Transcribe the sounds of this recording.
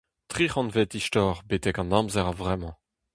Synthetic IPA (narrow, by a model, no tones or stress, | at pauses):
t̪χiχɑ̃nvet̪iʃtɔːʁbet̪ɛkɑ̃nɑ̃mzɛʁavʁɛmɑ̃